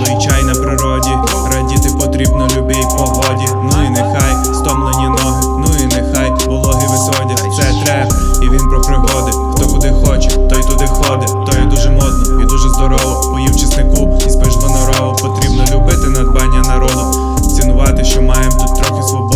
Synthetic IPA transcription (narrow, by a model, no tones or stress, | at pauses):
it͡ʃajnɐpɾɪɾɔdʲi | ɾɐdʲit̪ɪpɔt̪ɾʲibnɔlʲʊbɪpɔɦɔdʲinuinɪxɑj | st̪ɔmlˠenʲinɔɦɪnuʊinexɑj | bʊlˠɔɦɪʋɪsɔdʲɐsɛt̪ɾɛb | iʋʲinpɾɔpɾɔbɔd̪ɪxt̪ɔkʊd̪ɪxɔt͡ʃɛt̪ɔjt̪ʊd̪ɪxɔd̪ɪt̪ɔjɛd̪uʒɛmɔd̪nɔid̪uʒɛzd̪ɔɾɔʋɔ | ʊjiwt͡ʃɐsnɪkʊizbeʒd̪ɔnɔɾɔʋʊpɔt̪ɾʲibnɔlʲʊbɪt̪ɪnɐd̪bɑnʲːɐnɐɾɔd̪ʊ | t̪ʲinʊʋɑt̪ɪʃt͡ʃɔmɑjemt̪ut̪ːɾɔxɪsu